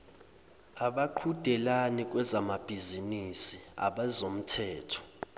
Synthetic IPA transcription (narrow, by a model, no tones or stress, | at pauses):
aɓaǃʰud̥ʱɛlanik̬ʼwɛzamab̥ʱizinisia̰ɓazom̩tʰɛːtʰɔ̥